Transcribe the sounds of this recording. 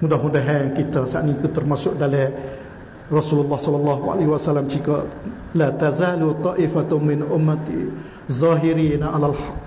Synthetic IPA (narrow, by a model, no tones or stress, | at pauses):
mudahmundaɦankit̪asa̰ʔnĩt̪ut̪ərmasʊʔ̚dalɛ | rɑsululːɑhsɔlːɑlːɑɦua̰lahwasalamt͡ʃikaʔ | lat̪azaːlut̪ˤɑʔɪfamɪnʔʊmːat̪ | zˤɑːɦiɾiːnaʔalalħɑʔ